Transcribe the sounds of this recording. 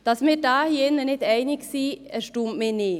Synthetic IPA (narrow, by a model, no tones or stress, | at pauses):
d̥ɑsmɪːɾdɑːhiɪnːənɪdɛɪnɪɡsiːɛʃtuːmmɪːnɪː